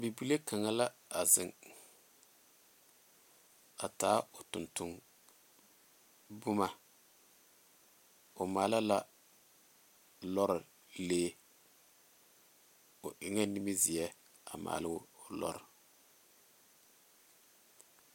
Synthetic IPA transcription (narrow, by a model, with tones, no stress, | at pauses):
bi˨bu˦le˦ka˨ŋa˦la˦a˨zɪ˨ŋ | a̰˨taː˦ʊ˨tʊ˨ntʊ˦ŋ | bʊ˦ma˨ | ʊ˨maː˨˦la˦la˦ | lɔ˦ɾɪ˨ | leː˦ | ʊ˨ʔɪ˨ŋɛ˦ni˦mi˦zɪ˨ɛ˦ | a̰˨ma̰ː˨lɪ˦˨lɔ̰˦ɾɪ˨